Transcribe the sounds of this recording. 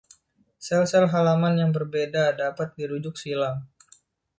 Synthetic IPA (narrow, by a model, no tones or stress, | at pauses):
sɛlsɛlɦalamanjaŋbərbedadapat̪̚diɾud͡ʒʊk̚silaŋ